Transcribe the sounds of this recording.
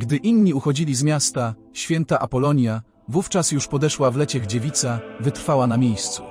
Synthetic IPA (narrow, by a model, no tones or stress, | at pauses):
ɡd̪ɘʔinɲiuxɔd͡ʑilʲizmʲjast̪a | ɕfʲjɛnt̪aʔapɔlɔɲja | vuft͡ʂasjuʂpɔd̪ɛʂwavlɛt͡ɕɛɣd͡ʑevʲit̪savɘt̪ɾfawanamʲjejst̪su̥